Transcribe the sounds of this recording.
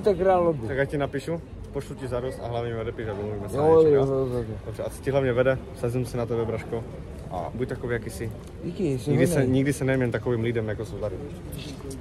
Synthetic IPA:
t̪ɛkɾaːllobt̪akɡjacinapiʃu | poʃlucizaɾost̪a̰ɦlavɲɛmivɛdɛpiːʃabomluvimɛsooɛdobrɛʔasɔ̥ciɦlavɲɛvɛdɛ | sɛzɪmsɪnat̪ɛbɛbɾaʃko | ʔa̰buc̚ʲt̪akoviːjakisɪ | ikisiɡdɪsɛɲiɡdɪsɛnɛjɛmɲɛnt̪akoviːmliːdɛmjakosowzaɾui

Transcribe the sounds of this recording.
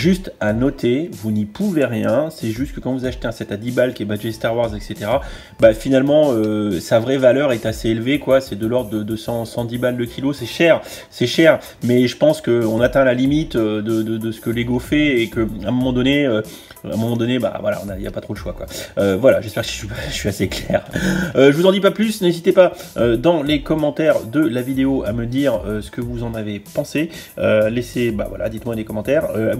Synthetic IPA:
ʒyst̪anɔt̪ʰevunipuveʁjɛ̃sɛʒyst̪̚kəkɑ̃vuzaʃt̪eɛ̃sɛt̪ad̪ibalkʲiɛbad͡ʒɛst̪aʁwaʁzɛkset̪eʁa | bafinalmɑ̃øsavʁɛvalœʁɛt̪aseelvekwasɛd̪əlɔʁd̪d̪əd̪əsɑ̃sɑ̃d̪ibald̪əkʲʰilosɛʃɛʁ | sɛʃɛʁ | mɛʒəpɑ̃skəɔ̃nat̪ɛ̃lalimit̪ød̪əd̪əd̪əsə̥kəleɡofɛːkəɛ̃mɔmɑ̃d̪ɔneø | ɛ̰̃mɔmɑ̃d̪ɔneba̰vwala̰ɔ̰̃nailja̰pat̪χod̪əʃwakwaøvwala̰ʒɛspɛʁksi̥ʃɥipaʃɥiaseklɛːʁøʒəvuzɑ̃d̪ip̬aplysnezit̪epaød̪ɑ̃lekɔmɑ̃t̪ɛʁd̪əlavid̪eoʔaməd̪iʁøsə̥kəvuzɑ̃navepɑ̃se | øleseba̰vwa̰la̰d̪it̪mwad̪ekɔmɑ̃t̪ɛʁøa

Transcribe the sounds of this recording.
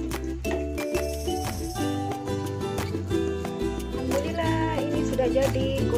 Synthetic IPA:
kəŋbulilainisudahd͡ʒadiɡu

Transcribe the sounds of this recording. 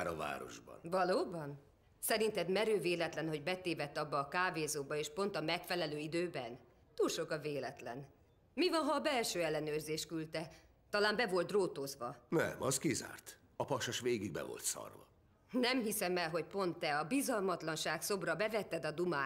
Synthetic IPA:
ɾɒva̰ːɾo̞̰ʒbɒ̰nvɒloːbɒn | sɛɾint̪ɛd̪mɛɾøːveːlɛt̪lɛnho̞ɟbɛt̪eːvɛt̪ːɒbːɒːkaːveːzoːbɒeːʃpo̞nt̪ɒmɛkfɛlɛløːid̪øːbɛn | t̪uːlʃo̞kɒveːlɛt̪lɛn | mivɒnɦɒːbɛlʃøːɛlːɛnøːrzeːʃkylt̪ɛ | t̪ɒlaːmbɛvo̞lt̪roːt̪ozʋɒnɛ̰mɒskiza̰ːrt̪ | ɒpɒʃɔʃʋeːɡiɡ̚bɛ̰vo̞̰lt̪sɒ̰rvɒ̰ | nɛmɦisɛmɛlɦo̞cpo̞nt̪ːɛɒbizɒlmɒt̪lɒnʃaːkso̞brɒbɛvɛt̪ːɛd̪ɒd̪umaː

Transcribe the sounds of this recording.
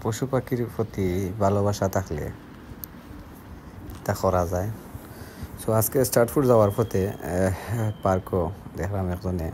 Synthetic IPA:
poʃupakiɾpʰɔt̪ibʱalobaʃat̪ʰakʰlḛ | t̪akɔɾazaj | sɔaskesʈaʈfʰuʈzawaɾpʰɔt̪e | paɾkɔd̪ɛkʰbamɛkzɔne

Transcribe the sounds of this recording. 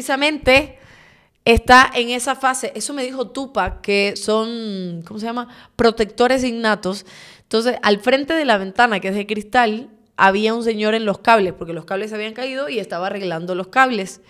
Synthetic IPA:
isamẽ̞nt̪e̞ː | st̪aʔeŋe̞safase̞ʔe̞so̞me̞ðixo̞t̪upakeso̞nko̞mos̬eʝama | pɾo̞t̪e̞k̚t̪o̞ɾe̞s̬iɡnat̪o̞sent̪o̞nse̞salfɾe̞nt̪e̞ðe̞laβ̞e̞nt̪anakee̞sðekɾist̪al | aβ̞iauns̬e̞ɲo̞ɾe̞nlo̞skaβle̞spo̞ɾke̞lo̞skaβle̞s̬aβiaŋkaið̞o̞ie̞st̪aβaːre̞ɣland̪olo̞skaβle̞s

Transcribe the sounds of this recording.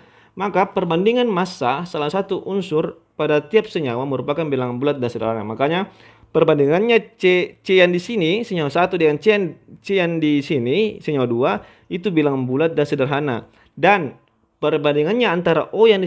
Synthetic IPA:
makapərbandiŋanmasasalasat̪uʔunsʊr | padat̪iap̚səɲawaməɾupakanbilaŋbulat̪̚dansədərɦanamakaɲa | pərbandiŋanɲat͡ʃet͡ʃeandisinisəɲawasat̪udəŋant͡ʃeant͡ʃeandisinisəɲawadua | it̪ubilaŋbulat̪̚dansədərɦana̰ | dan | pərbandiŋanɲaːnt̪aɾa̰ʔojan

